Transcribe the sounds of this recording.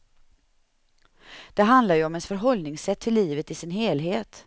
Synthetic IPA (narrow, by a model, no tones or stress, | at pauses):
d̪̥ɛɦand̪laɾjɵɔmɛnsfœɾɦɔlnɪŋsɛt̪ʰːɪlːiːvət̪ɪsɪnɦeːlɦeːt̪